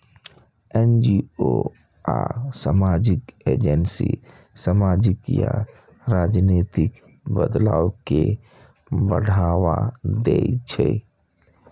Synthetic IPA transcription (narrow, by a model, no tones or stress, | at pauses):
ɛnd͡ʒio | asəmaːd͡ʒɪkeːd͡ʒənsḭ | səmaːd͡ʒɪkja | ɾaːd͡ʒneːt̪ɪk | bəd̪laːwke | bəɽʱaːwad̪eit͡ʃʰɛ